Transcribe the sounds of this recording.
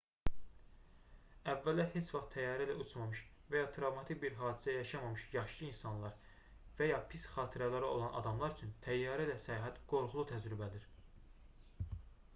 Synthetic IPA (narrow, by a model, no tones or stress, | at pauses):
ævːælæhe̞t͡ʃʰvɑχt̪ʰæjɑːɾælæut͡ʃʰmɑmɯʃ | væjɑt̪ʰɾɑvmɑt̪ʰikbiɾɦɑːd̪isæjɑʃɑmɑmɯʃjɑχʃɯlˠɯinsɑnlˠɑɾ | væjɑpʰisχɑːt̪ʰiɾælæɾio̞̰lˠɑnʔɑ̰d̪ɑmlˠɑɾyt͡ʃʰynt̪ʰæjːɑːɾilæsæjɑɦæt̪ɡ̥o̞ɾχulˠut̪ʰæd͡ʒɾybæd̪iɾ